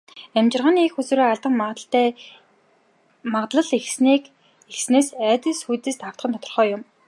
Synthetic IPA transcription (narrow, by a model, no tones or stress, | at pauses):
æmt͡ɕɪ̆rʁaːniexɵsŭːɾeːaɮt̪ə̆ɴmɬː | mat̪ɮə̆ɮexsik | exsneːsæːt̪ɘ̆ɮsxujt̪eːst̪aw̥t̪χə̆nʰɔt̪ɞ̆rχœːjʊm